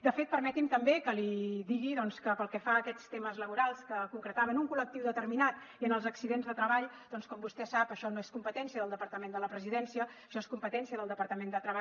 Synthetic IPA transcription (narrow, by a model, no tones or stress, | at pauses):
d̪əfet̪̚pəɾmɛt̪imt̪əmbekəliðiɣiðɔnskəpəlˠkɛfaːkɛt͡st̪eməzləβuɾalˠskəkuŋkɾət̪aβənuŋkulək̚t̪iwðət̪əɾminat̪ | iənəlˠzəksiðenzðət̪ɾəβaʎd̪̥ɔnskɔmbust̪ɛsapəʃɔnoeskumpət̪ɛnsiəðəlˠd̪əpəɾt̪əmend̪ələpɾəziðɛnsiəːʃɔeskumpət̪ɛnsiəðəlˠd̪əpəɾt̪əmend̪ət̪ɾəβa